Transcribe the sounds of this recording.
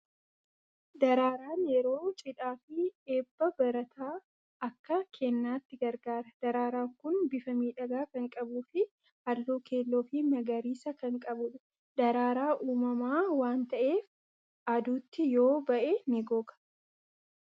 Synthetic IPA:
d̪ɐɾaːɾaːnjɛɾoːt͡ʃʼɪᶑaːfɪeːbːɐbɐɾɐt̪ʰaː | ɐkːɐkʰɛnːaːt̪ːɪɡɐɾɡaːɾɐd̪̥ɐɾaːɾaːŋkʊnbɪfɐmiːᶑɐɡaːkɐŋkʼɐbuːfɪ | hɐlːuːke̞ːlːoːfimɐɡɐɾiːsɐkɐŋkʼɐbʊᶑʊ | d̪ɐɾaːɾaːʔuːmɐmaːwaːnt̪ɐʔe̞ːf | ɐd̪uːt̪ːɪjo̞ːbɐʔemɪɡoːkɐ̥

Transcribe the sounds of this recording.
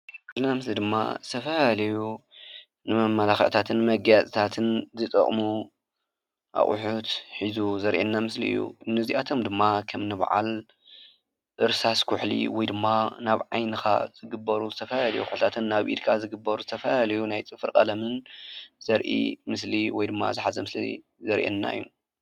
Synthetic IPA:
kʰulnamɨslid̪ɨmːa̰zɨt̪ʰɐfɐhalɐju | nɨmɐmːɐlaxʕt̪ʰat̪ʰɨnmɐɡjat͡sʼit̪ʰat̪ʰɨnzɨt̪ʼɐ̰χʼmu | ʔa̰χʼʊ̰ħut̪ħizuzɐɾʔenːamɨslḭʔɨ̰jːṵnɨziʔat̪ʰo̞md̪ɨmːakʰɐmnɨβʕa̰l | ʔɨɾsaskʰʊħlḭwɔjd̪ɨmːanaβʕajnɨxa̰z̥ɨɡɨbːɐɾuzɨt̪ʰɐfɐlɐlɐjuxʊħlt̪ʰat̪ʰɨnːaβʔḭd̪kʰazɨɡɨbːɐɾuzɨt̪ʰɐfɐɐlɐjunajt͡sʼɨfɨɾkʼɐlɐmɨnz̥ɐɾʔḭmɨsliwɔjd̪ɨmːa̰zɨħazɐmɨslḭ | zɐɾʔḛnːa̰ʔɨjːu

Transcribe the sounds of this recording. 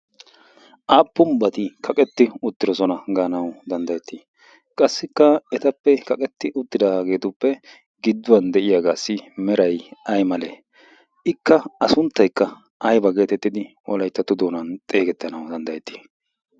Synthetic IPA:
ʔaːpːʊmbɐt̪ɪkʰɐkʼɛt̪ːɪʊt̪ːɪɾɔsɔnɐɡaːnɐwd̪ɐnd̪ɐjɛt̪ːiː | kʼɐsːɪkːɐɛt̪ɐpːɛkɐkʼɛt̪ːɪʔʊt̪ːɪd̪aɡe̞ːt̪ʊpːɛ | ɡɪd̪ːʊwɐnd̪ɛʔɪjaːɡaːsːɪmɛɾɐjɐjmɐle | ɪkːɐɐsʊnt̪ːɐjkːɐ | ʔɐjbɐɡe̞ːt̪ɛt̪ːɪd̪ɪ | ɔlɐjt̪ːɐt̪ːʊd̪oːnɐnt̪ʼe̞ːɡɛt̪ːɐnɐwd̪ɐnd̪ɐjɛt̪ːi̥ː

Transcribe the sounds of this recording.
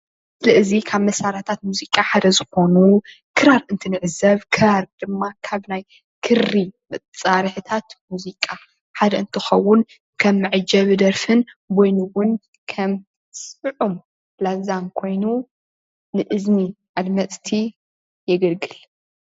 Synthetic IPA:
ɨlɨʔɨzikʰaβmɐsaɾat̪ʰat̪̚muzikʼaħad̪ɐzɨxo̞nu | kʰɨɾaɾɨnt̪ʰɨnɨʕɨzɐβkʰɨɾaɾd̪̥ɨmːakʰaβnaj | kʰɨɾːimɐt͡sʼaɾɨħɨt̪ʰat̪muzikʼa | ħad̪ɐɨnt̪ʰɨxɐwːʊn | kʰɐmːɨʕɨd͡ʒɐβɨd̪ɐɾfɨnbojnuwʊn | kʰɐm | sɨʕum | blazamkʰo̞jnu | nɨʔɨzniʔalmɐt͡sʼt̪ʰi | jɛɡɐlɡɨl

